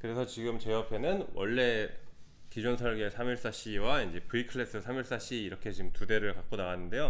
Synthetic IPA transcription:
kɯɾe̞sʰʌt͡ɕiɡɯmt͡ɕeʌpʰe̞nɯnwʌ̰ɭːe̞ | kid͡ʑunsʰʌɭɡesʰamiɭs͈aɕ͈ʰiwaind͡ʑe̞pɯikʰɯɭːe̞s͈ɯsʰamiɭs͈aɕ͈ʰiːɾʌkʰe̞t͡ɕimtude̞ɾɯɭkak̚k͈onaɣanːɯnde̞jo

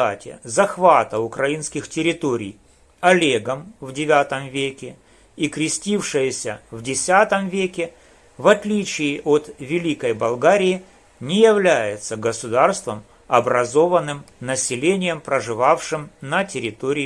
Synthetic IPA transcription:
atʲɪ̰zɐxvat̪əʊkɾɐinskʲɪxtʲɪɾʲɪt̪o̞ɾʲɪ̰j | ɐlʲeɡəmvdʲɪvʲat̪əmvʲekʲɪ | ikɾʲɪsʲtʲifʂɨjəsʲəvdʲɪsʲat̪əmvʲekʲɪ | vɐt̪lʲit͡ɕɪːʔot̪vʲɪlʲikəjbɐlˠɡaɾʲɪjɪ | nʲɪjɪvlʲæjɪt̪səɡəsʊd̪arst̪vəm | ɐbɾɐzo̞vənːɨm | nəsʲɪlʲenʲɪjəmpɾəʐɨvafʂɨmnətʲɪɾʲɪt̪o̞ɾʲɪ

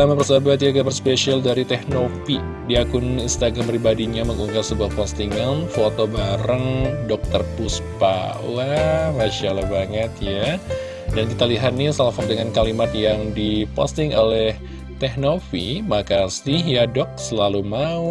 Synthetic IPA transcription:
amapərsabat̪jaɡabərspesialdaɾit̪ɛhnofi | diakʊninst̪aɡɾampɾibadiɲaməŋuŋɡasəbuahpɔst̪iŋanfot̪obaɾaŋdɔk̚t̪ərpuspa̰amaʃala̰hbaŋət̪ja | dankit̪aliɦat̪̚nisalafat̪̚dəŋankalimat̪̚jaŋdipɔ̰st̪ɪŋʔolɛh | t̪ɛhnofḭmakasihjadɔk̚səlalumau

